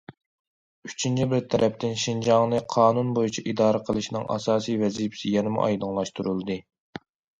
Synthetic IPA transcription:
yt͡ʃʰint͡ʃʰibɪɾt̪ʰɛɾʔɛpt̪ʰɪnʃind͡ʒɑŋnɨqʰɑːnunbojit͡ʃʰɛʔid̪ɑːɾəqʰəlˠɨʃnɨ̰ŋʔɑ̰sɑːsijvɛzipʰɪ̥sɪjɛnɪmɪ̰ʔɑ̰jd̪ɨŋlˠɑʃt̪ʰuɾulˠɨd̪ɨ

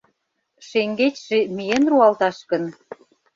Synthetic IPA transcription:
ʃeŋɡet͡ɕʲʃĕmijenruɑlt̪ɑʃkə̆n

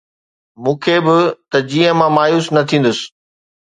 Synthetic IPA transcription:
mũːkʰeːbɪt̪ɐd͡ʑiːə̃mãmaːjuːsnɐt̪ʰĩːn̆d̪ʊsɪ̥̆

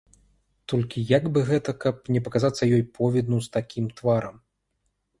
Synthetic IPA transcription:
t̪ɔlʲkʲijaɡbɨɣɛt̪ɐkɐp̚nʲɛpɐkazat̪sːɐjɔjpʰɔvʲɛd̪nust̪akʲimt̪vaɾɐm

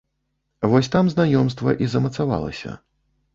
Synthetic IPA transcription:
vɔsʲt̪amznajɔmst̪vɐ̰ʔizɐmɐt̪sava̰lˠɐ̰sʲɐ̰

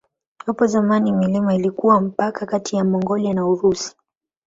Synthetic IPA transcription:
jɔpɔzamanimilimailikuwam̩pakakatʰijamɔŋɡɔlianauɾusi̥

